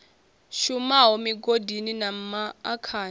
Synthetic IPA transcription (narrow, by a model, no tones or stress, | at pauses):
ʃumaɦomiɡodʱininam̩maːkʰaːn